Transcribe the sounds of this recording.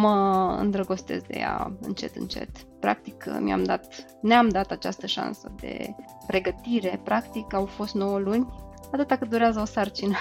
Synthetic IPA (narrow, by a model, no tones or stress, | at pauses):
məɨ̰nd̪ɾəɡo̞st̪e̞̰zd̪e̞̰ja̰ɨ̰nt͡ʃe̞̰t̪ɨ̰nt͡ʃe̞̰t̪pɾa̰k̚t̪ikmja̰md̪at̪ | neamd̪at̪at͡ʃa̰st̪əʃa̰nsəd̪e̞̰ | pɾe̞ɡət̪iɾe̞pɾakt̪ikawfo̞st̪no̞wəlunʲ | at̪ɨt̪akəd̪uɾeazəosart͡ʃinə